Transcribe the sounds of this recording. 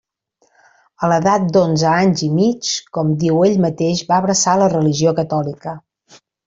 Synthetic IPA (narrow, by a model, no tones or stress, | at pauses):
ələðat̪̚d̪onzəaɲzimit͡ʃkɔmd̪iweʎmət̪eʃβaəβɾəsalərəliʒiokət̪ɔlikə